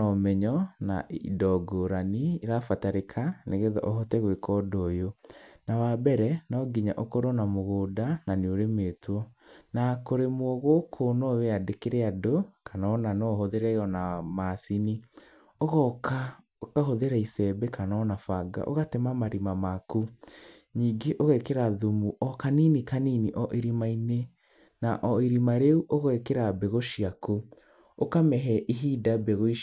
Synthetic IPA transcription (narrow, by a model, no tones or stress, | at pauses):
ɔmɛɲɔna̰ḭdɔɡoɾaniiɾafataɾekʰaneɣeðɔ̰ʔɔɦɔtɛɣwekʰɔdojonawabɛɾɛnɔɡiɲaʔɔkoɾɔnamoɣoːdananeoɾemetwɔnakoɾemwɔɣokʰonɔweadekeɾeadokanaɔnanɔhoðeɾɛɔnamasini | oɣɔka | kaɦoðeɾaisɛbɛkanɔnafaɡa̰ʔo̰ɣatɛmamaɾimamaku | ɲiːŋɡeʔoɣɛkeɾaðumuʔɔkaninikaniniʔɔʔiɾimaine | naʔɔiɾimaɾeuʔoɣɛkeɾabeɣoʃiaku | okamɛɦɛʔiɦidabeɣoi